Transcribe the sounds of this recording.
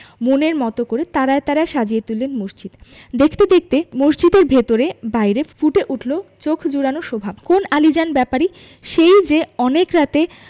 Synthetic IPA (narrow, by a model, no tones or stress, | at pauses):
moneɾmɔt̪okoɾet̪aɾaet̪aɾaeʃad͡ʑiet̪ulːenmoʃt͡ɕid̪ | d̪ekʰt̪ed̪ek̚ʰt̪emoʃd͡ʑid̪eɾbʱet̪oɾebajɾefuʈeʔuʈʰlot͡ɕokʰd͡ʑuɽanoʃobʱabkonalid͡ʑanbɛpaɾi | ʃejd͡ʑeɔnekɾat̪e